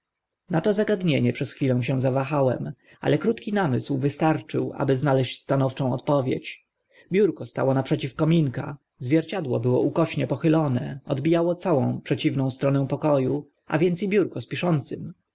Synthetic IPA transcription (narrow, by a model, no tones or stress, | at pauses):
nat̪ɔzaɡad̪ɲeɲɛpʂɛsxfʲilɛ̃w̃ɕ̬ɛw̃zavaxawɛm | a̰lɛkɾut̪kʲinamɘswvɘst̪aɾt͡ʂɘ̰wʔa̰bɘznalɛɕt͡ɕst̪anɔft͡ʂɔ̃w̃ɔ̰t̪̚pɔvʲjḛt͡ɕ | bʲjuɾkɔst̪a̰wɔnapʂɛt͡ɕifkɔmʲiŋka̰ | zvʲjɛɾt͡ɕad̪wɔ̰bɘwɔ̰ʔukɔɕɲɛpɔxɘlɔnɛ̰ɔd̪bʲijawɔt̪sawɔ̃w̃pʂɛt͡ɕivnɔ̃w̃st̪ɾɔnɛ̃w̃pɔkɔju | ʔa̰vʲjɛntsibʲjuɾkɔspʲiʂɔnt̪sɘm